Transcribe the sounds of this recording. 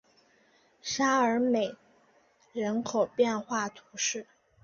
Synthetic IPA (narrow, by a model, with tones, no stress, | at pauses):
ʂa˥ə˞˧˥me˨˩ɪ | ɻə˧˥nkʰo˨˩ʊpjɛ˥˧nxwa˥˩t̪ʰu˧˥ʂɻ̩˥˩